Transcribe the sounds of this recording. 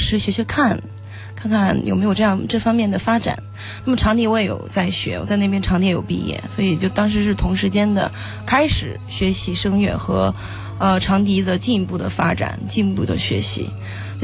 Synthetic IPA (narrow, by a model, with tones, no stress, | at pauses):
ʂɻ̩˧˥ɕɥɛ˧˥ɕɥɛ˧˥kʰa˥˩n | kʰa˥˧nkʰa˥˩njo̰˨˩me˧˥ɪjʊʈ͡ʂɤ˥˧jɑ˥˩ŋʈ͡ʂɤ˥˩fɑ˥ŋmjɛ˥˩nd̪ə˩fa˥ʈ͡ʂa̰˨˩˦n | na˥˩mə˩ʈ͡ʂʰɑ˧˥ŋt̪i˧˥we˥˩ɪjo̰˨˩ʊt͡sa˥˩ɪɕɥɛ̰˧˥wɔ̰˨˩t͡sa˥˧ɪne˥˩pjɛ˥nʈ͡ʂʰɑ˧˥ŋi˧˥jo˨˩ʊpḭ˥˧jɛ̰˥˩swɔ˧˥i˨˩ɛ˨t͡ɕo˥˩ʊt̪ɑ˥ŋʂ̬ɻ̩˧˥ʂɻ̩˥˩t̪ʰʊ˧˥ŋʂɻ̩˧˥t͡ɕjɛ˥nd̪ə̰˨ | kʰa˥ɪʂɻ̩˨˩ | ɕɥɛ˧˥ɕi˧˥ʂɤ˥ŋɥɛ̰˧˩nxɤ˧˥ | ə˧ʈ͡ʂʰɑ˧˥ŋt̪̬i˧˥d̪ə˨t͡ɕi˥˧n˥pu˥˩d̪ə̰˩fa˥ʈ͡ʂa̰˨˩˦nt͡ɕi˥˧npu˥˩d̪ə̰˨˩ɕɥɛ̰˧˥ɕḭ˧˥